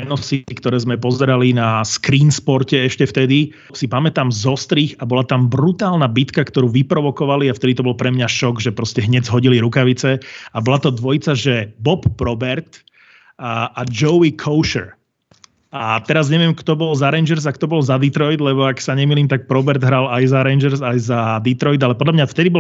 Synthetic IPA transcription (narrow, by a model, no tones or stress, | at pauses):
ɛnɔsikt̪ɔɾɛːzmɛpɔzɛɾalinaskɾiːnspɔɾcɛɛʃcɛft̪ɛd̪i | sipamɛt̪aːmzɔst̪ɾiːxabɔlat̪ambɾut̪aːlnabit̪kakt̪ɔɾuːʋipɾɔʋɔkɔʋaliaft̪ɛd̪it̪ɔbɔlpɾɛmɲaʃɔɡʒɛpɾɔscɛɦɲɛɟzɦɔɟiliɾukaʋit͡sɛabɔlat̪ɔd̪ʋɔjt͡saʒɛbɔpːɾɔbɛɾt̪ | ad͡ʒɔikʰɔʊʃɛ̰ɾ | at̪ɛɾazɲɛʋɪɛmkt̪ɔbɔlzaɾɛnd͡ʒɛɾzakt̪ɔbɔlzad̪it̪ɾɔjd̪lɛbɔaksaɲɛmiːliːmt̪ak̚pɾɔbɛɾd̪ɦɾalajzaɾɛɪnd͡ʒɛɾzajzad̪it̪ɾɔjd̪alɛpɔd̪lʎamɲaft̪ɛd̪ibɔ